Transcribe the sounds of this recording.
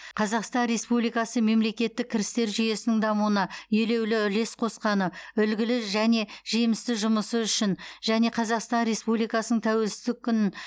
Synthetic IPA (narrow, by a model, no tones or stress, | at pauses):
qʰɑzɑqst̪ɑnɾe̞spublijkɑsəme̞mle̞kʲe̞t̪ːɪk̚ʲʰːɪɾɪst̪e̞ɾʒʏje̞sɪnɪŋd̪ɑmuənɑjele̞wlɪʏle̞sqʰo̞sqɑnəʏlɡʲɪlɪʒæne̞ʒemɪst̪ɪʒʊməsəʏʃɪnʒæne̞qʰɑzɑqst̪ɑnɾe̞spublijkɑsənəɴt̪ʰæwe̞lsɪzd̪ɪk̚ʲʰːʏnɪn